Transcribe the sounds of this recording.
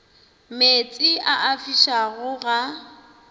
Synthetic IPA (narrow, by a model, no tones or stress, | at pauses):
met͡sʼiaʔafiʃaɣʊɣa